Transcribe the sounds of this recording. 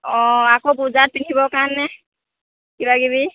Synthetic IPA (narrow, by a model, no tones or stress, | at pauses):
ɔ̃akobuzat̚pitʰibɔkanːɛ | kibaɡiβi